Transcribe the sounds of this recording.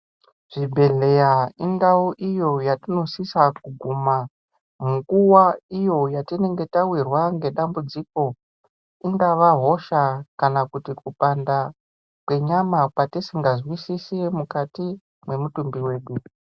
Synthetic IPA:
ʐ̥ibʱe̞ɮe̞jaiŋdauʔijo̞jatino̞sisak̚uɡʱuma | muŋɡuwaijo̞jatine̞ŋɡe̞tawirwaŋɡe̞ɗambud͡ziko̞ | iŋɡaʋaɦo̞ʃakanakutikupanda | kwe̞ɲamapwatisiŋɡazwisisemukati | mwe̞mutumbiwe̞ːɗu

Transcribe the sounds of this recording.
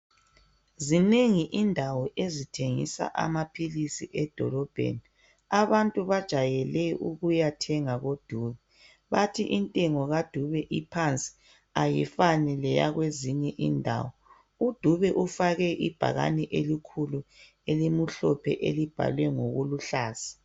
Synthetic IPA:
zineŋiʔindʱawɔʔezitʰeŋḭsa̰ʔa̰mapʰilisiʔɛd̥ʱɔ̰lɔb̥ʱḛni | aβantʼuβad̥ʒ̥ʱajɛlɛʔṵɣujatʰɛŋaɣod̥ʱuːβɛ | βatʰiʔintʼɛŋɔɣad̥ʱuβɛʔipʰant͡sʼi̥ | ajḭfanɛlɛja̰ɣweziɲɛʔindʱa̰ːwɔ | ud̥ʱuβɛʔufaɣɛʔib̥ʱa̰ɣa̰nɛʔelikʰulu | elimuɬɔpʰɛ̰ʔḛlib̥ʱa̰lwɛŋo̰ɣuluɬaːz̥i̥

